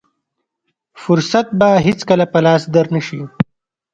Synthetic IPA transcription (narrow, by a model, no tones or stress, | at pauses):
fʊɾsat̪̚baɦɪt͡skəlapɐlɑːsd̪əɾnəʃi